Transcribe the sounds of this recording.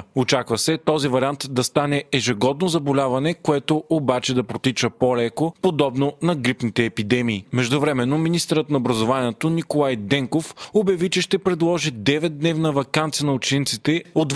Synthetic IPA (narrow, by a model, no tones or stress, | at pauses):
ot͡ʃakvɐsɛt̪ɔzivɐɾʲiant̪d̪ɐst̪anɛːʒɛɡɔd̪nozɐbolʲavɐnɛkoɛt̪oobat͡ʃɛd̪ɐpɾot̪it͡ʃəpolɛkopod̪ɔbnonɐɡɾipnit̪ɛːpid̪ɛmiːmɛʒd̪ʊvɾɛmɛnːominist̪əɾət̪nɐobɾɐzovaniɛt̪onikolˠajd̪ɛŋkofobjɐvit͡ʃɛʃt̪ɛpɾɛd̪lˠɔʒid̪ɛvɛt̪̚d̪nɛvnəvɐkant̪sijənɐot͡ʃint̪sit̪ɛod̪